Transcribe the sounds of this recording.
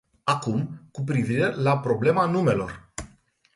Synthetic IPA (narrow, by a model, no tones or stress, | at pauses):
akumkup̬ɾiviɾe̞lapɾo̞ble̞manume̞lo̞̰r